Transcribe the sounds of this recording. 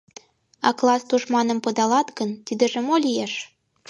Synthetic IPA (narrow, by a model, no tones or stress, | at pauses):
ɑ̰klˠɑst̪uʃmɑnə̆mpɤ̆d̪ɑlɑt̪ɣənt̪id̪ə̆ʒĕmolʲijeʃ